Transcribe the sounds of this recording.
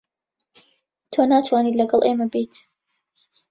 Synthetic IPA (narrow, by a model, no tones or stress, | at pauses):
t̪ʰoːnaːt̪ʰwaːniːlɐɡɐlˠʔeːmɐbit̪ʰ